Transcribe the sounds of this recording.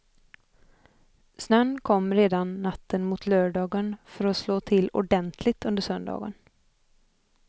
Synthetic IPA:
snœnːkʰɔmːɾeːd̪anːat̪ʰːənmut̪ʰløːɖɑːɡənfœɾɔsloːt̪ʰɪlʊ̰ɖɛnt̪ʰlɪt̪ɵnd̪əʂœnd̪ɑ̰ːɡə̰n

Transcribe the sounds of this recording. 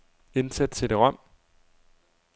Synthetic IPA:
e̝nsæd̥̚t͡sʰe̝d̥e̝ʁɒm̰

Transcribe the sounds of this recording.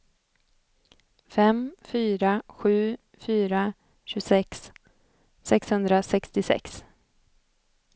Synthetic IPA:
fɛmfyːɾaɧʉ̟ː | fyːɾa | ɕɵsɛks | sɛkshɵnd̪ɾasɛkst̪ɪsɛ̰ks

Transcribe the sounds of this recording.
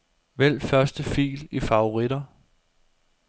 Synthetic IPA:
ʋel̰fɶɐsd̥əfḭːlifɑ̈o̝ʁid̥ɐ

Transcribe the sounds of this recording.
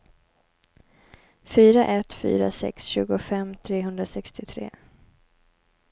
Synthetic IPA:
fyːɾaʔɛt̪fy̰ːɾa̰sɛ̰ksɕʉ̟ːɡʊfɛmːt̪ʰɾeːɦɵnd̪ɾasɛkst̪ɪt̪ʰɾḛː

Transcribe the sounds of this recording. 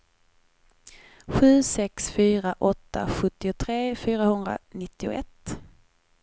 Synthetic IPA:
ɧʉ̟ːsɛksfyːɾaʔɔt̪ʰːa̰ɧɵt̪ːɪʊt̪ʰɾeːfyːɾahɵnd̪ɾa̰nɪt̪ːɪʊ̰ʔɛt̪ː

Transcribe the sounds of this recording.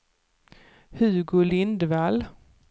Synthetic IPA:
hʉɡʊlɪnd̪val

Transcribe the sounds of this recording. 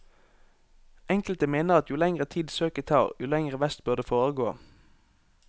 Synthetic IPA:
ʔɛŋkəlt̪əmeːnəʁɑt̪jʊlɛŋʁət̪ʰiːd̪søːkət̪ʰɑ̰ːʁjʊlɛŋʁəʋæst̪bʉʁd̪eːfoːʁəɡoː

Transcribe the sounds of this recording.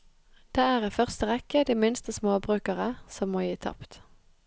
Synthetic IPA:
d̪̥eːæːʁiːfœʁst̪əʁɛkəd̪iːmɪnst̪əsmoːbʁʉːkəʁəsɔmmoːjiːt̪ʰɑ̰pt̪

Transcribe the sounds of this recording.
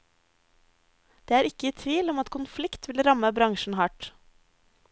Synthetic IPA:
d̪̥eːæːɾɪkəiːt̪ʰʋiːlɔmɑt̪kʰʊnflɪkt̪ʋɪlɾɑməbɾɑŋʃn̩hɑʈ

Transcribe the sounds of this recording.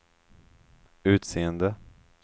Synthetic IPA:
ʉ̟ːt̪seːənd̪ə

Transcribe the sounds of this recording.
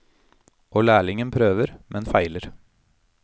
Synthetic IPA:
ʔoːlæːɭɪŋənpʰɾøːʋəɾmʔɛnfæɪləɾ

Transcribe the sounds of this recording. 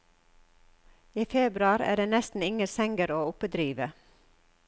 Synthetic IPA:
iːfeːbɾʉɑːɾæ̰ːɖeːnɛst̪n̩ɪŋəsɛŋɡəɾoːʊpəd̪ɾiːʋə

